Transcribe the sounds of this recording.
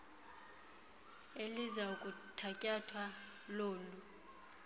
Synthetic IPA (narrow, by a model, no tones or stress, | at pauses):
elizaukʼutʰacʼatʰwa | loːlu